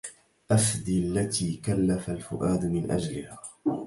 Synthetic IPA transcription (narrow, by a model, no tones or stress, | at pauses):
ʔafd̪iːalːat̪iːkalːafalfʊ̰ʔaːd̪mɪnʔa̰d͡ʒlɪhaː